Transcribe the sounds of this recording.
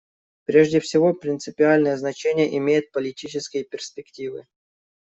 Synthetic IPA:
pɾʲeʐdʲɪfsʲɪvo̞pɾʲɪnt̪sɨpʲɪalʲnəjəznɐt͡ɕenʲɪjəʔɪmʲejɪt̪̚pəlʲɪtʲit͡ɕɪskʲɪjəpʲɪrspʲɪktʲivɨ̰

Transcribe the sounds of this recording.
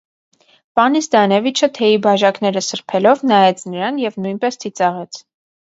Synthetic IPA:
vɑnisd̪ɑnɛvit͡ʃʰət̪ʰɛibɑʒɑknɛɾəsəɾpʰɛlɔvnɑɛt͡sʰnəɾɑnjɛvnujnpɛst͡s̪ʰit͡sɑʁɛt͡sʰ

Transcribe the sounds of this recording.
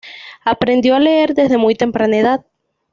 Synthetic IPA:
apɾe̞nd̪jo̞aleeɾðe̞zðe̞mujt̪e̞mpɾaneðað

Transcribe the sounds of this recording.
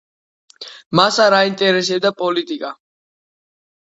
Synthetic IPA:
masaɾaint̪ʼɛɾɛsɛb̚d̪apʼɔlit̪ʼikʼa

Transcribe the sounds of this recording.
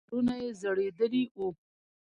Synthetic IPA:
ɾunajezəɽed̪əliwu

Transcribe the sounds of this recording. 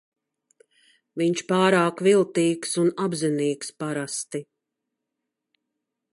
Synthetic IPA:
viɲt͡ʃpaːɾaːkvilˠt̪iːksunabziniːkspaɾast̪i

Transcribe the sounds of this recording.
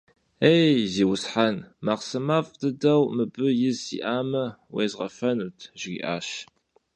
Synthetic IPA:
ejziːwʊsħanmaqsɨmaːfdɨdɐwmɨbɨjɪzḭʔaːmɐwḛːzʁɐ̰fɐnutʰʒḭːʔa̰ːʃ

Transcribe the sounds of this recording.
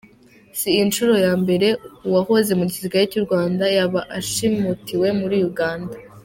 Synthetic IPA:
siːnt͡ʃuɾo̞jaːmbe̞ɾe̞uwaho̞ze̞muɟiziɡajeciɾɡwaːndajaβaʔaʃimutiwe̞muɾijuɡaːnda

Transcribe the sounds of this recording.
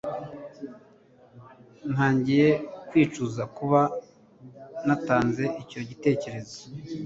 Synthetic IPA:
n̥haːɲɟijekwiːt͡ʃuzakuβa | nataːnze̞ico̞ɟite̞ːce̞ɾe̞zo̥

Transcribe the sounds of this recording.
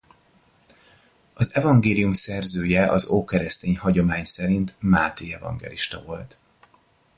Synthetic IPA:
ɒzɛvɒŋɡeːlijumsɛrzøːjɛʔɒzoːkɛɾɛst̪eːɲhɒɟo̞maːɲsɛɾint̪maːt̪iɛvɒ̰ŋɡɛ̰liʃt̪ɒvo̞lt̪

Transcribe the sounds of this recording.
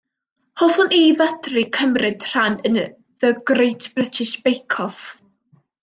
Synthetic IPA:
hɔvʊniðədrikʰəmrɪd̥r̥anən | ðəɡrejtʰb̥rɪtʰɪʃb̥ejkʰɔf

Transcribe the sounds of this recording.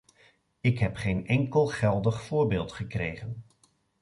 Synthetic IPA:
ɪkɦɛpχejnɛŋkəlˠχɛlˠdəχfʊːɹbɪːlˠtχəkrejχən

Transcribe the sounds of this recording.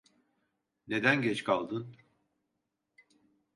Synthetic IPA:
ne̞d̪ænɟɛt͡ʃkʰalˠd̪ɯn

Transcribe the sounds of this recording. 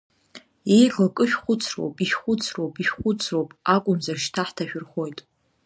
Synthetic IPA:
ejɡlkʼɨʃᶣχʷʊt͡sʰro̞̰wpʼiʃχʷʊt͡sʰrowpʼiʃχʷʊt͡sʰro̞wpʼakʷʼʊmzarʃtʰaħtʰaʃᶣʊrχojtʼ

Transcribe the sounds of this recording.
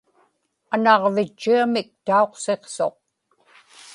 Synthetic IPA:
anɑʁvɪt͡ʃːiamɪk̚t̪ao̞qse̞qso̞̰q̚

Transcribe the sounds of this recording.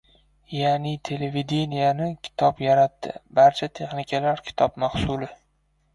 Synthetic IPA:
janɪt̪ʰe̞leved̪enijanɪkʲʰɪ̥t̪ʰɒpjaɾat̪ːɪ̰baɾt͡ʃʰat̪ʰe̞χnɪkʲʰalaɾkʲʰɪ̥t̪ʰɒpmahsʊlɪ

